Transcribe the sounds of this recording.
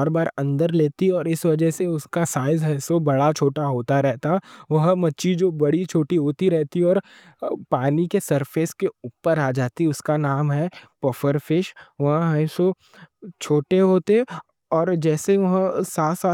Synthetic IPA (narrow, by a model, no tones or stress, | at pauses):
ɾbaːɾɐ̃nd̪əɾleːt̪iɔːɾɪsʋɐd͡ʒɛɦseʊskasaːɪzɦɐːsobɐɽat͡ʃʰoːʈaɦoːt̪aɾɛɦt̪aʋɐɦmɐtːʃid͡ʒoːbɐɽit͡ʃʰoːʈiɦoːt̪iɾɛɦt̪iɔːɾ | paːnikesɐɾpʰeskeuːpəɾaːd͡ʒaːt̪iʊskanaːmɦɛpɐfəɾfɪʃʋɐɦãɦɛ̃so | t͡ʃʰoːʈeɦoːt̪e | ɔːɾd͡ʒɛːseʋɐɦsaːt̪saː